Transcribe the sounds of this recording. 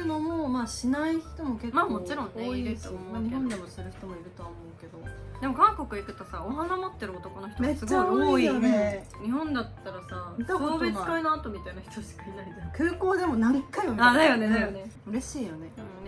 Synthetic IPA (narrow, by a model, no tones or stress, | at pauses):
ɯ̟no̞mo̞maːɕinaiçi̥t̪o̞mo̞ke̞mamo̞t͡ɕiɾõ̞noiesmaɲ̟ihõ̞nd̪e̞mo̞soɾɯ̟çi̥t̪o̞mo̞iɾɯ̟t̪o̞βaomo̞ɯke̞d̪o̞d̪e̞mo̞kãŋko̞kɯikɯ̟̥t̪osaoɦanamo̞t̪ːe̞ɾɯ̟ot̪o̞ko̞noçi̥t̪ome̞sɨɡt͡ɕːaooijone | ɲ̟iɦõ̞nd̪at̪ːaɾasat̪aoːbekainoat̪o̞mʲit̪ainaçʲi̥t̪oɕi̥kainaiekɯ̟ːko̞ːd̪e̞mo̞naɾʲikajomanajoneajoneɯ̟ɾe̞ɕiːjone̞ɯ̃